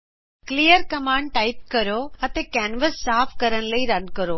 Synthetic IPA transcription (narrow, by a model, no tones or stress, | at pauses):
klijəɾkɐmãːɳɖ̚ʈaːɪp̚kɐɾoɐt̪ekɛːnʋəsːaːfʰkɐɾəɽ̃ləiɾɐnkəɾoː